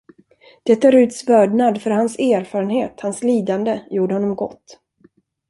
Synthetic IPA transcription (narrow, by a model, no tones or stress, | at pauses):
d̪̥ɛt̪ʰːaɾʉ̟ːt̪svœːɖɳad̪fœɾhansæːɾfɑːɾənheːt̪hansliːd̪and̪əjuːɖəhɔnːɔmɡɔ̰t̪ː